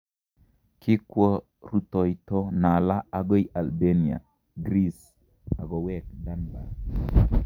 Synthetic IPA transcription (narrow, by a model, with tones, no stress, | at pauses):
kɪ˦kwɔ˦ | ɾu˨tɔ˨jtɔ˦na˨la˦a˨ɡɔ˦i˨ʔa˨lbe˦ni˨a̰˨ | ɡɾi˦s | a˨ɡɔ˨wɛ˦kda˦nba̰˨